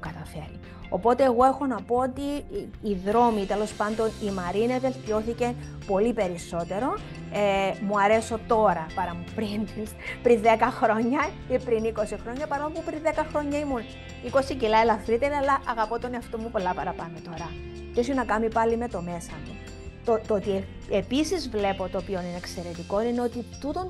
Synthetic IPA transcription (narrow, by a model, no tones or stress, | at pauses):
kɐt̪ɐfe̞ɾi | o̞po̞t̪e̞ːɣo̞e̞xo̞nɐpo̞ot̪iː | ðɾo̞mit̪e̞lo̞spɐnd̪o̞nimɐɾineve̞lt̪io̞θice̞po̞lipe̞ɾiso̞t̪e̞ɾo̞ | emuɐɾe̞so̞t̪o̞ɾɐpɐɾɐmupɾinspɾinðekɐxɾo̞ɲːɐcepɾiniko̞sixɾo̞ɲːɐpɐɾo̞mpupɾinðekɐxɾo̞ɲːɐimun | ikosicilɐelɐfɾit̪eɾiɐlːɐʔɐɣɐpo̞t̪oneɐft̪omːupo̞lːɐpɐɾɐpɐnot̪o̞ɾɐ | t̪esunɐkɐmipɐlime̞t̪o̞me̞sɐmu | t̪ot̪oot̪ie | episizvle̞po̞t̪oːpio̞ninekse̞ɾe̞t̪iko̞nineo̞t̪it̪ut̪on